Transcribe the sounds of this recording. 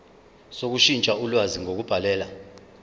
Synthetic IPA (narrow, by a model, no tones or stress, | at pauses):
sok̬uʃint͡ʃʼaulwaziŋok̬ub̥ʱalɛːla